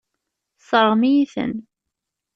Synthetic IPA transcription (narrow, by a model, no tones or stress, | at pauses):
sˤəɾˤmijiθə̰n